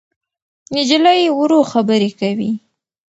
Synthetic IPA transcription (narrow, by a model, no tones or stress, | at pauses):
ɪd͡ʒlajewɾoxabəɾekawḭ